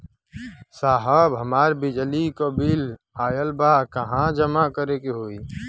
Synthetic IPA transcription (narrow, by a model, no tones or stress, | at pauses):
saːɦəbɦəmaːɾbɪd͡ʒlikobil | aːjəlbakəɦãd͡ʒəmakəɾekeɦoːi